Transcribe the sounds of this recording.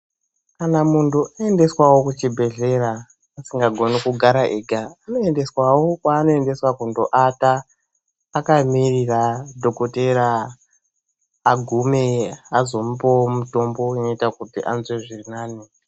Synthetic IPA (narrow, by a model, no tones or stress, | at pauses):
kanamuntuʔae̞nde̞swawokut͡ʃibʱe̞ɮe̞ɾaː | siŋɡaɡʱo̞nikuɡʱaɾaʔeɡʱaːno̞e̞nde̞swawokwaːno̞ende̞swakundo̞ʔataː | kamiriradʱo̞koteɾa | ɡʱume̞azo̞mupomuto̞mbo̞ino̞itakutiʔanzweʐirinaːni